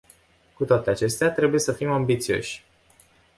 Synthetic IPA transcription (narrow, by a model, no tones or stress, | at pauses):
kut̪oat̪eat͡ʃe̞st̪eat̪ɾe̞buje̞səfimambit̪sio̞̰ʃʲ